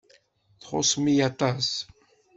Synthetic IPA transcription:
t̪χo̰smijat̪ʼas

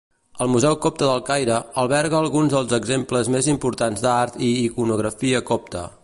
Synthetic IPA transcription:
əlˠmuzɛwkɔp̚t̪əðəlˠkajɾəəlˠβɛɾɣəːlˠɣunzðəlˠzəɡzempləzmezimpuɾt̪anzd̪aɾt̪iːkunuɣɾəfiəkɔp̚t̪ə̰

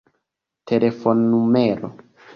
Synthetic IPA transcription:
tʰe̞le̞fo̞nːumeɾo̰

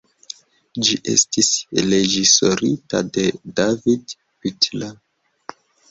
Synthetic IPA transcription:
d͡ʒiʔe̞̰stisle̞d͡ʒiso̞ɾita̰de̞david | pitla

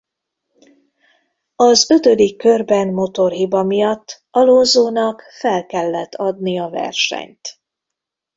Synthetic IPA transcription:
ɒzø̞t̪ø̞d̪ikːørbɛnmo̞t̪o̞rɦibɒmijɒt̪ː | ɒlonzoːnɒkfɛlkɛlːɛt̪ʰːɒd̪nijɒvɛ̰rʃɛ̰ɲt̪

